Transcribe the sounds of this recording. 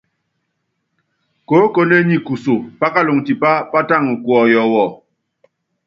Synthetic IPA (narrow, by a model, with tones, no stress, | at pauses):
ko˨˦ko˦ne˦ɲi˨ku˨so˨pa˦ka˦lo˨ŋti˨pa˦pa˦ta˦˨ŋ̩˨kwɔ˨jɔ˨wɔ˨